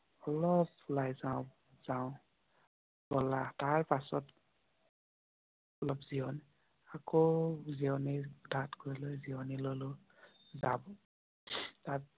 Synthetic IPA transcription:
ɔlɔp̚ulajzaʊ | z̥aʊ̃ | bɔlataɹpasɔt | ɔlɔpz̥iɔn | akoziɔnidʱatkoɹjlojziɔnilolo | zabɔ | tat

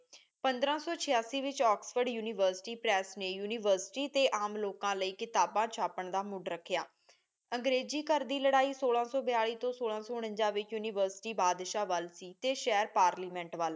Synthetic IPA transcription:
pənd̪ɾãːsɔːt͡ʃʰɪjaːsiːʋɪt͡ʃɔːksfəɾɖjuːnɪʋəɾsɪ̥ʈiːpɾɛːsneːjuːnɪːʋəːɾsɪ̥ʈiːt̪eːʔaːmloːkãːləiːkɪt̪aːbãːt͡ʃʰaːpəɳd̪aːmʊɖɾəkʰːɪjaː | əŋɡɾeːd͡ʒiːkəɾd̪iːləɽaːiːsoːlãːsɔːbɪjaːɭiːt̪õːsoːlãːsɔːɽ̃ə̃ɲd͡ʒãːʋɪt͡ʃjuːniːʋəɾsɪ̥ʈiːbaːd̪ʃaːʋəlsiːt̪eːʃɛːɾpaːɾliːmɛ̃ːɳʈʋaːl

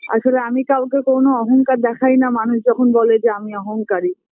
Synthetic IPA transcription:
a̰ʃoleamikawkekownoɔɦoŋkaɾd̪ɛkʰajnamanuʃd͡ʑɔkʰonbɔled͡ʑeamiɔɦoŋkaɾi

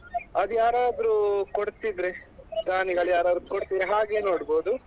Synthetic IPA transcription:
ɐd̪ujaːɾaːd̪ɾukoɽt̪id̪ɾeɡ̪aːniɡɐɭjaːɾaːd̪ɾukoɽt̪id̪ɾiɦaːɡe̞ːnoːɽboːd̪u

